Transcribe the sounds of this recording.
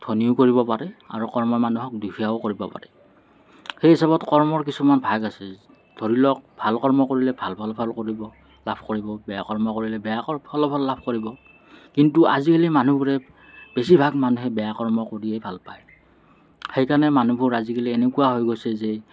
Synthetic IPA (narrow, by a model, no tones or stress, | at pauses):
d̥ʱoniʊkoɹibɔpaɹɛa̰ɹukɔɹmɔmanuɦɔk̚dukʰiaokoɹibɔpa̰ɹɛ | xejɦisabɔtkɔɹmɔɹk̬isumanbʱaɡasɛ | dʱoɹilɔk̚bʱalkɔɹmɔkoɹilɛbʱalbʱalbʱalkoɹibɔ | labʱkoɹibɔbɛjakɔɹmɔkoɹilɛbɛjaɔbʰɔlɔbʰʱɔlːabʱkoɹibɔ | kintua̰zikalimanubʱuɹɛ | besibʱaɡmanuɦɛbɛjakɔɹmɔkoɹiejbʱalpaj | xejkanɛmanubʱuɹazikalienekuwaɦojɡojsɛzɛ